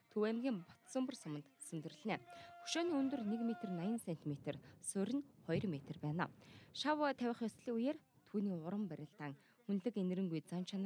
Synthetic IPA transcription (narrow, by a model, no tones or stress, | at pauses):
t̪ʰɵwæmɡʲiːmpɔt̪sə̆mpɵ̆rsʊmə̆nt̪sɵnt̪ɘ̆rɘ̆ɮnæːxu̥ʃoːniːɵnt̪ɵ̆rnekmet̪ĕrnajɪ̆nsen̥t̪imet̪ĕrsʊɾʲɘ̆nχɔjrmet̪ĕrpæːna̰ːʃawt̪ʰæwʲɪ̆χjɔsɮiːujeːr | t̪ʰuːniːʊɾə̆mpæɾʲɪ̆ɬt̪aːŋ | xunɮɘ̆kenɘ̆ɾɘ̆ŋɡujt͡sant͡ɕʰan